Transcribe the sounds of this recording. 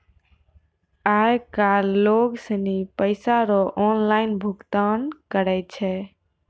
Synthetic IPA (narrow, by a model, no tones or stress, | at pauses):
ajkalːoɡsənipəɪsaɾɔʔɔnlaɪnbʱuɡt̪ankəɾɛt͡ʃʰɛ